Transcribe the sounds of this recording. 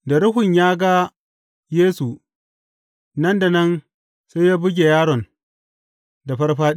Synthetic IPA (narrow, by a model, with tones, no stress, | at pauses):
da˨ɽʊ˦ɦʊ˨ɲjaː˦ɡa˦ | jeː˦su˨ | nɐ˦nda˨nɐ˦n | se˦jaː˦bʊ˦ɡʲe˨jaː˦ɽɔ˨n | da˨ɸɐ˦rɸaː˦